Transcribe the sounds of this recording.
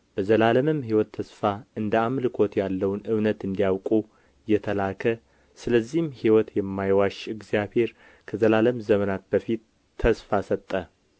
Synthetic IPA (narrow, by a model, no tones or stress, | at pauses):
b̥əzəlaləmɨmɦiwɔt̪ʰːəsfaɨnd̪əamlɨkʰo̞t̪jalːəwnɨβnət̪ɨnd̪ijawkʼu | jɛt̪ʰəlakʰə | sɨləzːihmhiwɔt̪jɛmːajwaʃɨɡzijaβhe̞ɾ | kʰəzəlaləmzəmənat̪̚b̥əfit̪ʰː | əsfasət̪ʼːə